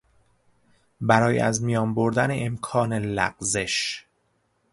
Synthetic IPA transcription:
bæɾɒːj̰æ̰zmijɒːmboɾd̪æneʔemkʰɒːnelæ̰ɢze̞ʃ

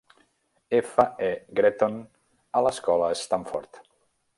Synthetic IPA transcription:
efaeɡɾet̪on | aləskɔlaest̪aɱfɔ̰ɾt̪

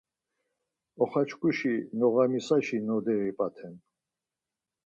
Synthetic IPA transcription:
ɔχat͡ʃkʼuʃinɔɣamisaʃinɔd̪ɛɾipʼat̪ʰɛn

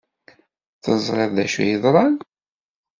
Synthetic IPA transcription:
θəzˤʁeðˤðæʃæ̰jəðˤɾˤɑn

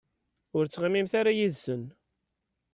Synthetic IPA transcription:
ʊɾt͡sːʁamːimθaɾajiðsən

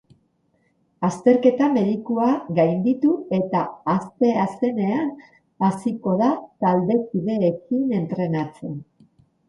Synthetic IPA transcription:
ast̪e̞ɾke̞t̪ame̞ðikuaɣajnd̪it̪ue̞t̪aːst̪e̞ase̞ne̞an | asiko̞ðat̪ald̪e̞kiðe̞ːkine̞nt̪ɾe̞nat͡se̞n

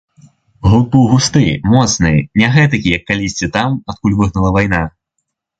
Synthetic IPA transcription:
ɣupɨwɣust̪ɨmɔt̪snɨjɛnʲɛɣɛt̪̬ɐkʲijɐkːalʲisʲt͡sʲit̪amat̪̚kulʲvɨɣnɐlˠɐvajn̪a

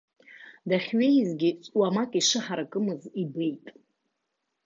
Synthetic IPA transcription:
daχʲɥe̞jzɡʲɪt͡sʷʼwamakʼiʂɨħaɾakʼɨmɨzibe̞jtʼ

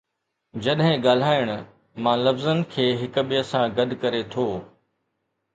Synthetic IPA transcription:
d͡ʑɐɗɦɪ̃ɠaːl̤aːɪɽ̃ʊ | mãːlɐfzənɪ̆kʰeːɦɪkʊɓɪəsãɡɐd̪ʱkɐɾet̪ʰoː

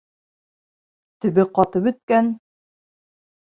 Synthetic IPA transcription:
t̪ɵ̆βɘqɑt̪ɤpɵ̆t̪̚kæn

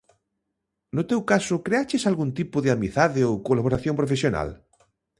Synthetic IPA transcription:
nʊt̪ewkasʊkɾeat͡ʃesalɣunt̪ipʊðeamiθaðeowkolaβ̞oɾaθjõmpɾofesjona̰l

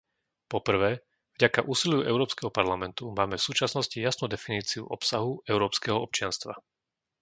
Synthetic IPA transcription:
pɔpr̩ʋɛː | vɟakaʔuːsiljuʔɛʊɾɔːpskɛɦɔpaɾlamɛnt̪umaːmɛfsuːt͡ʃasnɔscijasnuːd̪ɛfiniːt͡siuʔɔpsaɦuɛʊɾɔːpskɛɦɔɔp̚t͡ʃɪanst̪ʋa̰

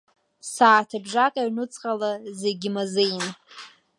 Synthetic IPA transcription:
saːtʰɨbʐakʼaɥnɨt͡sʼqʼalazeɡʲɪmazɨjn

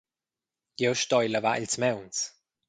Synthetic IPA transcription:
jowʃt̪ɔjləva̰ʔɪlt͡smɛwns

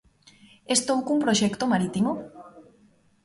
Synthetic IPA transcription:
est̪owkumpɾoʃɛkt̪omaɾit̪imo

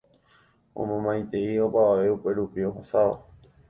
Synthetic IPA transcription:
õ̰mõmãj̃t̪e̞io̞paaʋe̞upe̞ɾupioɦosao̰

